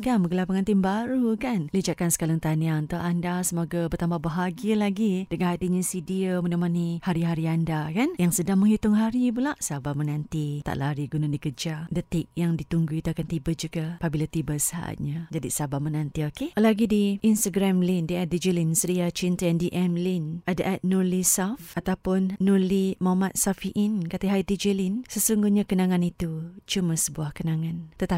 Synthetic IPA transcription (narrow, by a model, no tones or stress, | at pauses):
kanməɡəlapaŋant̪imbaɾukanləd͡ʒaʔ̪̚kansə̥kalaŋt̪aniant̪awʔandasəmoɡapərt̪amabəɦaɡialaɡidəŋanat̪iɲasidiəmənamanihaɾiɦaɾiandakanjaŋsədaŋmə̃ŋɦit̪ʊŋɦaɾibəlaʔsabamənãnt̪it̪a̰ʔlaɾiɡunadikəd͡ʒadət̪ɪk̚jaŋdit̪uŋɡuit̪uakant̪ibəd͡ʒuɡapabilat̪ibəsəa̰ʔa̰t̪̚ɲad͡ʒadisabamənãnt̪iokelaɡidiʔinst̪aɡɾamlindiɛt̪̚did͡ʒilinsəɾiat͡ʃint̪əandiʔɛmlinadaʔɛt̪̚nulisafʔat̪awpʊnːulimamat̪̚safiʔɪnkat̪əɦajd̪id͡ʒilinsəsuŋɡuhɲakənaŋãnit̪ut͡ʃumasəbuahkənaŋant̪ət̪a